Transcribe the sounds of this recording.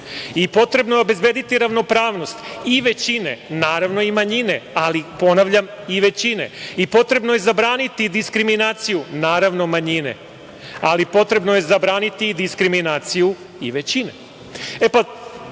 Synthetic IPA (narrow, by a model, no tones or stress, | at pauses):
ipo̞t̪ɾe̞bnojobe̞zbe̞d̪it̪iɾaʋno̞pɾaːʋno̞st̪iʋe̞t͡ɕine̞̰naːɾaʋno̞imaɲine̞alipo̞naʋʎam | iʋe̞t͡ɕine̞̰ipo̞t̪ɾe̞bnoje̞zabɾaːnit̪id̪iskɾiminaːt̪sijunaːɾaʋno̞maɲine̞̰ | alipo̞t̪ɾe̞bnoje̞zabɾaːnit̪id̪iskɾiminaːt̪siju | iʋe̞t͡ɕinḛ | epa